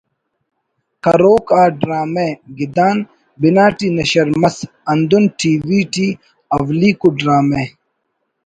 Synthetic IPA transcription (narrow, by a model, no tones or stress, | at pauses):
kɐɾoːkaːɖɾaːmeɡid̪aːn | binaːʈinɐɕɐɾmɐs | ɐnd̪unʈʰiːwiːʈi | ɐwliːkuɖɾaːme